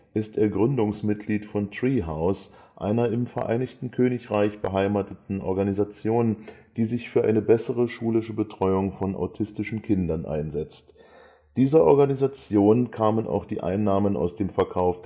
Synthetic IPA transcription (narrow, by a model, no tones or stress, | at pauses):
ʔɪstʔeːɐɡʁʏndʊŋsmɪt̚ɡ̥liːtfɔntʁ̥iːɦaʊs | ʔa̰ɪnɐɪmfɛɐʔa̰ɪnɪçtn̩kʰøːnɪçʁaɪçb̥əɦaɪmaːtətn̩ʔɔɐɡanizat͡sjoːnd̥iːzɪçfyːɐʔa̰ɪnəbɛsəʁəʃuːlɪʃəbətʁ̥ɔʏʊŋfɔnʔa̰ʊtʰɪstɪʃn̩kʰɪndɐnʔa̰ɪnzɛt͡st | d̥iːzɐʔɔɐɡanizat͡sjoːnkʰaːmənʔa̰ʊxd̥iːʔa̰ɪnːaːməna̰ʊsd̥eːmfɛɐkʰaʊf